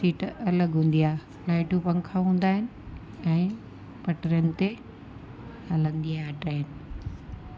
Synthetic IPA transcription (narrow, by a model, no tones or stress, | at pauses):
siːʈɐləɡɦũːn̆d̪ijaːɦ | laːɪʈũpɐ̃ŋkʰaɦũːn̆d̪aːɦɪnɪ̆ | ɛ̃ː | pɐʈɾjənɪ̆t̪e | hɐlə̃nd̪iaːʈaːɦɪnɪ̆